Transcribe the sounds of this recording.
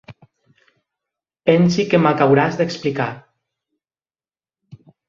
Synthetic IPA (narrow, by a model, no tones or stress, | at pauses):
pɛnsikemakawɾazðeksplika